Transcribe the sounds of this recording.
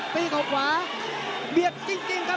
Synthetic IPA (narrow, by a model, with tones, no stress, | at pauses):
piː˧˩kʰaː˨˩wkʰwaː˨˦ | bi˨˩əp̚t͡ɕi˧ŋt͡ɕi˧ŋka˦˥